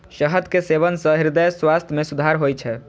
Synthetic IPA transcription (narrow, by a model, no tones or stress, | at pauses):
ʃəɦəd̪keseβənsə̃ɦiɾd̪əjswast̪ʰjəmesud̪ʱaɾɦojt͡ʃʰɛ